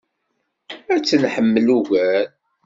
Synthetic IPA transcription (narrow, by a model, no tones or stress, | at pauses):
æt͡sːənħəmːəluɣæl